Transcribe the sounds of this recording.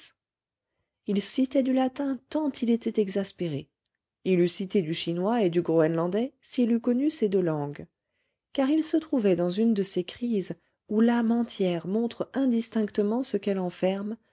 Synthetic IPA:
ilsit̪ɛd̪ylat̪ɛ̃t̪ɑ̃t̪ʰilet̪ɛt̪ɛɡzaspeʁe | ilysit̪ed̪yʃinwaed̪yɡʁoɛnlɑ̃d̪ɛsiːlykɔnysed̪ølɑ̃ɡ | kaʁilsət̪χuvɛd̪ɑ̃zynd̪əsekχiz | ulamɑ̃t̪jɛʁmɔ̃t̪χɛ̃d̪ist̪ɛ̃kt̪əmɑ̃səkɛlɑ̃fɛʁm

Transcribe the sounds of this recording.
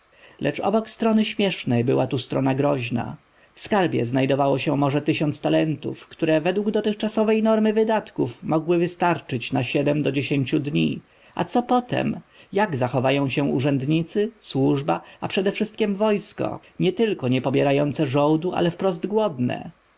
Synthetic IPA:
lʔɛt͡ʂɔ̰bɔkst̪ɾɔnɘɕmʲjɛʂnɛjbɘwat̪ust̪ɾɔnaɡɾɔʑna̰ | fskaɾbʲjɛ̰znajd̪ɔvawɔɕɛmɔʐɛt̪ɘɕɔnt̪st̪alɛnt̪ṵfkt̪uɾɛvɛd̪wuɡd̪ɔt̪ɘxt͡ʂasɔvɛjnɔɾmɘvɘd̪at̪kufmɔɡwɘvɘst̪aɾt͡ʂɘt͡ɕnaɕɛd̪ɛmd̪ɔd͡ʑeɕeɲt͡ɕud̪ɲḭ | a̰t̪sɔpɔt̪ɛ̰mjaɡzaxɔvajɔ̃w̃ɕɛuʐɛnd̪ɲit̪sɘswuʐbaapʂɛd̪ɛfʂɘst̪̚kʲɛmvɔjskɔ̰ | ɲɛt̪ɘlkɔɲɛpɔbʲjɛɾajɔnt̪sɛʐɔwd̪uʔa̰lɛfpɾɔzd̪ɡwɔd̪nɛ̰

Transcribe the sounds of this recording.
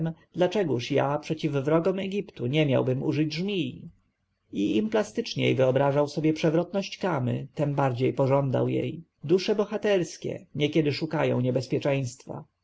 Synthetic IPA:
md̪lat͡ʂɛɡuʂjapʂɛt͡ɕivːɾɔɡɔmɛɡʲipt̪uɲɛmʲja̰wbɘmṵʐɘd͡ʑʐmʲi | iimplast̪ɘt͡ʂɲɛ̰jvɘɔbɾaʐawsɔbʲjɛpʂɛvɾɔt̪nɔɕt͡ɕkamɘ̰t̪ɛmbaɾd͡ʑejpɔʐɔnd̪a̰wjḛj | d̪uʂɛbɔxat̪ɛɾskʲɛ̰ɲɛkʲɛd̪ɘʂukajɔ̰̃w̃ɲɛbɛspʲjɛt͡ʂɛ̃j̃st̪fa̰

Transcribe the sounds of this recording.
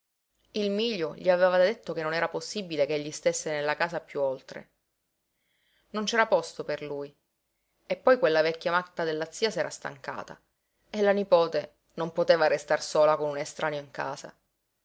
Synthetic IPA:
ilmiːʎːoʎiavevadd̪et̪ːokenːonɛːɾaposːibilekeʎːist̪esːenelːakaːsapjuolt̪ɾḛ | nont͡ʃɛːɾapɔst̪operluːj | epːɔjkwelːavɛkːjamat̪ːad̪elːat̪siːasɛːɾast̪a̰ŋka̰ːt̪a̰ | elːanipoːt̪e | nompot̪eːvarest̪arsoːlakonunest̪ɾʔaːnjoiŋka̰ːza̰

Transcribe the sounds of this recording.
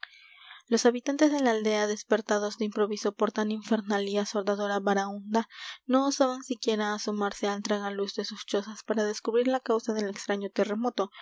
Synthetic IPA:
lo̞saβit̪ant̪e̞zðe̞laːld̪e̞aðe̞spe̞ɾt̪að̞o̞zd̪eimpɾo̞βiso̞po̞ɾt̪aniɱfe̞ɾnaliaso̞ɾd̪aðo̞ɾaβaɾaund̪ano̞ːsaβansikje̞ɾaːsomaɾse̞alt̪ɾaŋaluzd̪e̞sust͡ʃo̞saspaɾaðe̞skuβɾiɾlakawsað̞e̞lekst̪ɾaɲo̞t̪e̞re̞mo̞t̪o̞

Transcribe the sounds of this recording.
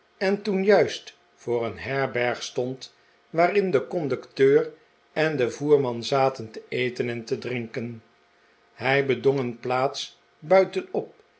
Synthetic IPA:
ɛntunjœɥst | fʊːrənɦɛɹbɛɹχstɔnt | ʋaːrɪndəkɔndɵktøːr | ɛndəvuːɹmɑnzaːtəntəejtənɛntədrɪŋkən | ɦɛjbədɔŋənplaːts | bœɥtənɔp̚

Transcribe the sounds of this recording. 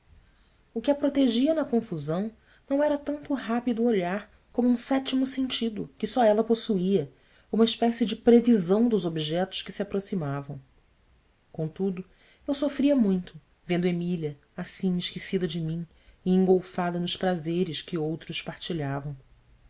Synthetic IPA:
ʊkɪɐpɾot̪eʒiɐnɐkõfuzɐ̃w̃ | nɐ̃w̃ɛɾɐt̪ɐ̃nt̪ʊuɦapid̪ʊoʎaɾ | kõmʊũsɛt͡ʃimʊsẽnt͡ʃid̪ʊkɪsɔɛlɐposuiɐ | ũmɐiʃpɛsɪd͡ʒɪpɾevizɐ̃w̃d̪ʊzobiʒɛt̪ʊ̥ʃkɪsɪapɾosimavɐ̃w̃ | kõt̪ud̪ʊ | ewsofɾiɐmũj̃t̪ʊ | vẽnd̪ʊemiʎɐ | asĩɪʃkisid̪ɐd͡ʒɪmĩ | ɪẽŋɡowfad̪ɐnʊʃpɾazeɾɪʃkɪowt̪ɾʊʃpaɾt͡ʃiʎavɐ̃w̃

